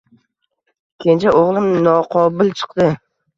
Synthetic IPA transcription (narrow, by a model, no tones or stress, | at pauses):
kʲʰent͡ʃʰaʔoʁlˠɪmnɒqʰɒbɪlˠt͡ʃʰɨ̥qd̪ɪ